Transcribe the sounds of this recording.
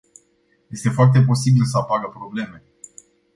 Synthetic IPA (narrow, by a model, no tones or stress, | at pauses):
je̞st̪e̞foart̪e̞p̬o̞sibilsəapaɡəpɾo̞ble̞me̞